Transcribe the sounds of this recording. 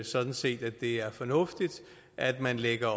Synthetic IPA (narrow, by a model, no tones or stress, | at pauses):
sɒ̽d̥n̩se̝̰ːd̥æd̥e̝æɐfɒ̽nɔ̽fd̥id̥ | ʔæd̥mænleɡ̥ɐ